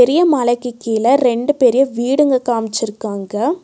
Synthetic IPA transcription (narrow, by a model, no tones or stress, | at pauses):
ɛɾɪjɐmɐlɐkːɯkːilɐɾɛɳɖɯpɛɾɪjɐʋiːɽɯŋɡɐkːaːmt͡ʃːɪɾɯkːaːŋɡɐ